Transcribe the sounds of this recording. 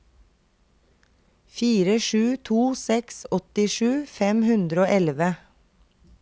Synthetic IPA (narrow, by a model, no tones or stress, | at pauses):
fiːɾəʃʉːt̪ʰuːsɛksɔt̪ɪʃʉːfɛmhʉnd̪ɾəoːʔɛlʋə